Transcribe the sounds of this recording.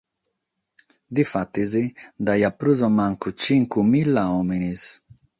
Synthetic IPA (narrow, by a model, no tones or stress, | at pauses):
d̪ifat̪izid̪ajapɾuzɔmaŋkut͡ʃiŋkumilːaominis